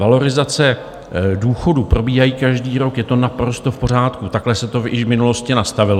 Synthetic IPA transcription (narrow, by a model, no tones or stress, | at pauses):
valo̞ɾɪzat͡sɛ | duːxo̞dupɾo̞biːɦajiːkaʒdiːɾo̞kjɛt̪o̞napɾo̞st̪o̞fpo̞r̝aːt̪kut̪aklɛsɛt̪o̞jɪʃvmɪnulo̞scɪnast̪avɪlo